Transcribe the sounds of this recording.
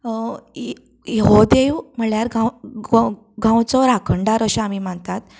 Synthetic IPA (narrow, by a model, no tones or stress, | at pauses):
jeɦod̪eʋm̤əɭjaɾɡãw | ɡãwt͡sɔɾakʰəɳɖaɾəɕaamim̤aɳt̪at̪̚